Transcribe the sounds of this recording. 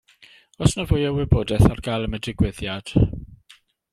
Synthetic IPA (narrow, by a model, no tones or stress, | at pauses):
ɔsnəvʊːɨjəwɪboːdɛθarɡalˠəmədɪɡwɪðjad̥